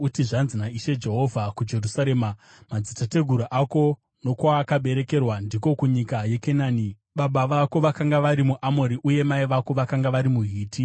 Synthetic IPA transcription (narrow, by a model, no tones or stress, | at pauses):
utiʐanzinaiʃe̞d͡ʒe̞ɦo̞vʱakud͡ʒe̞rusaɾe̞ːma | mad͡zitate̞ɡʱuɾaʔako̞ | no̞kwaːkaɓe̞ɾe̞ke̞rwandiko̞kuɲikaje̞kenaːni | ɓaɓaʋako̞ʋakaŋɡaʋaɾimuʔamoɾiʔuje̞maiʋako̞ʋakaŋɡaʋaɾimuɦiːti